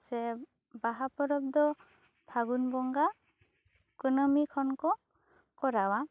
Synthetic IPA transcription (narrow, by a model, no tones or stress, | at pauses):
sɛ | baɦapɔɾɔb̚d̪ɔ | bʱaɡunbɔŋɡa | kɔnɔmikʰɔnkɔ | kɔɾawa